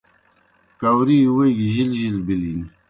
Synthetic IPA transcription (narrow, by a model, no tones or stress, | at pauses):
kawɾiweɡʑilʑilbilin